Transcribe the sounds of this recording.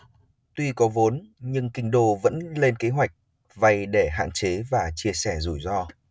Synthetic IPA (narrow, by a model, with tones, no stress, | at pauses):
t̪wi˧kɔ˨˦vo˨˦nɲɨ˧ŋkï˨˧ŋ̟ɗo˧˩və̰˧˥nle˧nke˨˦ɦwa˨˩jk̟̚ | va˧˩jɗe˧˩ɦa̰ː˧˨nt͡ɕe˨˦vaː˨˩t͡ɕi˧əsɛ˧˩zṵ˧˩jzɔ˧